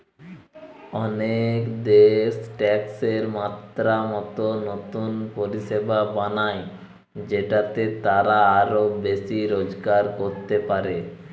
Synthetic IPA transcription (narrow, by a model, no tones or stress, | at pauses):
ɔnekd̪eʃʈɛkseɾmat̪ɾamɔt̪onot̪unpoɾiʃebabanae | d͡ʑeʈat̪et̪aɾaaɾobeʃiɾod͡ʑɡaɾkoɾt̪epaɾe